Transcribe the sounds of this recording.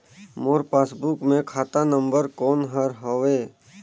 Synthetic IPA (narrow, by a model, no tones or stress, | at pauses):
moːɾpaːsbukmẽkʰaːt̪anə̃mbəɾkɔːnɦəɾɦoʋeː